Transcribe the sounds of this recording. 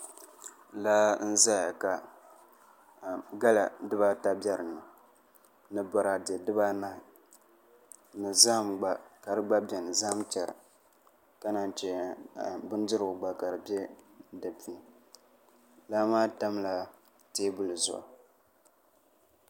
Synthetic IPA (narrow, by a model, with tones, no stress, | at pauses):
la˦n̩˦za˦ja˨ka˨ | ɡa˦la˨dɨ˦ba˦ta˦bɛ˦ɾɨ˨nɨ˨ | nɨ˨bɔ˨ɾa˨dɛ˨dɨ˦ba˦na˦ɪ˨ | nɨ˨za˦mɡ͡ba˨ka˨ɾɨ˦ɡ͡ba˦bɛ˨nɨ˨za˦mt͡ʃɛ˨ɾɨ̰˨ | ka˦na˨nt͡ʃɛ˨ | bɨ˦n˦dɨ˦ɾɨ˨ɡʊ˨ɡ͡ba˨ka˨ɾɨ˨bɛ˦da˨pi˨nɨ˨ | laː˦maː˦ta˦m˦la˨ | teː˦bʊ˦lɨ˨zʊ̰˦ʔa̰˨